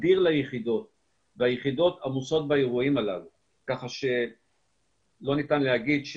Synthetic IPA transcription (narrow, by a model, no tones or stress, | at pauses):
diʁlajeχid̪o̞t̪̚ | veajeχid̪o̞t̪amuso̞t̪̚baeʁuimalav | kaχaʃe̞ | lo̞nit̪anlehaɡid̪ʃ